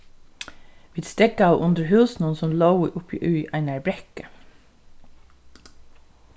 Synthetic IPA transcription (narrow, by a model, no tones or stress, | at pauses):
ʋiːd̪st̪ɛɡɑʊʔʊnd̪əɹɦʉːsn̩ənsɔmloʊʔʊpḭːʔʉːʔæɪnæɹbɾɛkə